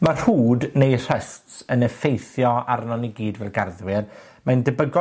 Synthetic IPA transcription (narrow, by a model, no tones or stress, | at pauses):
mar̥huːdnejr̥əstsənəfejθjɔaɾnɔniɡiːdvɛlˠɡarðwɪr | majndəbəɡɔ